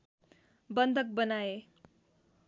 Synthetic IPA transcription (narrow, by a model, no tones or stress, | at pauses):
bʌnd̪ʱʌk̚bʌnae